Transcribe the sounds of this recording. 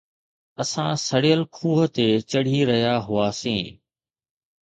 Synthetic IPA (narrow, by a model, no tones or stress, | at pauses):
ɐsãsɐɽijəlkʰuːɦə̆t̪et͡ɕɐɽ̤iɾɐɦjaɦʊaːsĩː